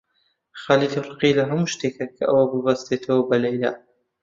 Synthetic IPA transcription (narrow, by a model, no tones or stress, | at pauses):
xaːlid̪rˤɨqilɐɦɐmuʃt̪eːkʰɐkʰɐ̰ʔɐwɐbɨbɐst̪et̪ʰɐwɐbɐlɐjla̰